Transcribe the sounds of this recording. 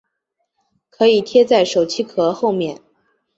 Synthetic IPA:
kʰɤ˧˥i˨˩t̪ʰjɛ˥t͡sa˥˩ɪʂo˨˩ʊt͡ɕʰi˥kʰɤ˧˥xo˥˧ʊmjɛ˥˩n

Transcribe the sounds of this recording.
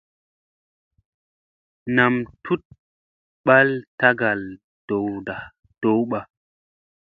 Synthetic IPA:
na˨mtʰu˦t̚ | ɓa˦lta˦ɡa˨l | d̥o˨wda˨ | d̥o˨˦wɓa˨

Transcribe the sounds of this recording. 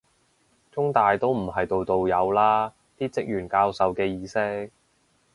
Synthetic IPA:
t͡sʊ˥ŋt̪aː˨jt̪o˥wm̩˨˩ɦɐ˨jt̪o˨wt̪o˨wjɐ˨˧wlaː˥ | t̪iː˥t͡sɪ˥k̚jyː˨˩nkaː˧wsɐ˨wkɛː˧jiː˨˧sɪ˥k̚

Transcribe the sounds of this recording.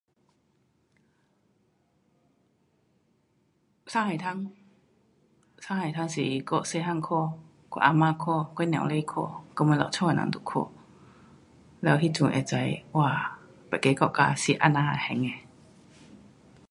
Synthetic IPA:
sa˥˨ha˨jt̪ʰa˧˥ŋ | sa˥˨ha˨jt̪ʰa˧˥ŋsi˨kɔ˧˨se˥˧ɦa˥˨ŋkʰɔ˥˩˨ | kɔ˧˨ʔa˧maː˧˨kʰɔ˥˧˨kɔ˧˦˨nɛ̰̃˨wle˧˨kʰo̰˥˧˨kɔ˧˨m˧˥˨lɔ̰˨t͡ɕʰɔ˥˧a˨nã̰˧˦ŋt̪u˨kʰo̰˧˩ | lɛ˧˦whi˦˥˨t͡ɕu˨ŋʔɛ̰˨t͡sa˧˦jwaː˧˨ | pɛ˨ke˧˦kɔ˧˨ʔka˧si˨˩ʔa̰˧˥˨na˧˩hɛ˨˧˩ŋɛ˧˨

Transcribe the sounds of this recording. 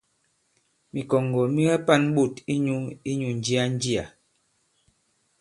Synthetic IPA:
mi˨kɔ˨ŋɡɔ˨mi˦ɣɛ˦pa˦n˦ɓu˦˨ti˦ɲu˦i˦ɲu˨n̩˨d͡ʒi˦a˦n˦d͡ʒi˦a̰˨

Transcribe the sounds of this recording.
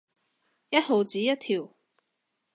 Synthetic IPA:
jɐ˥t̚ho˨˧wt͡siː˨˥jɐ˥t̚t̪ʰiː˨˩w

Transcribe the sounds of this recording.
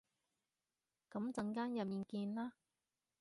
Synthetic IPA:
kɐ˨˥mt͡sɐ˧ŋkaː˥njɐ˨p̚jiː˨˩nkiː˧nlaː˥

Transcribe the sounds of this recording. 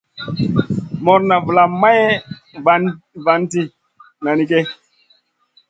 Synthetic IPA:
mɔ˨ɾna˨və˨la˨mːa˦jva˨ | va˨nti˨ | na˨ni˦ke˦

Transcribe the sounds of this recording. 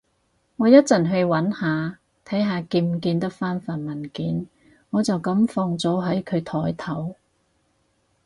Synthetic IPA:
ŋɔː˨˧jɐ˥t̚t͡sɐ˨˩nɦɵ˧ɥwɐ˨˥nhaː˨˧ | t̪ʰɐ˨˥jɦaː˨˧kiː˧m˨kiː˧nt̪ɐ˥k̚faː˥nfɐ˨nmɐ˨˩nkiː˨˥n | ŋɔː˨˧t͡sɐ˨wkɐ˨˥mfɔː˧ŋt͡sɔː˨˥ɦɐ˨˥jkʰɵ˨˧ɥt̪ʰɔː˨˥jt̪ʰɐ˨˥w

